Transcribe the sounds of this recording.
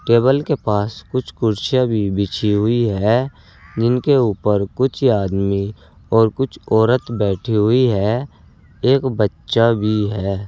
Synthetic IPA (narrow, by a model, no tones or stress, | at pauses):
ʈeːβəlkepaːskʊt͡ʃʰkʊɾʃjabʱibɪt͡ʃʰiɦʊiɦɛː | d͡ʒɪnkeuːpəɾkʊt͡ʃʰaːd̪mi | ɔːɾkʊt͡ʃʰɔːɾət̪bɛːʈʰiɦʊiɦɛː | eːkbətːʃabʱiɦɛː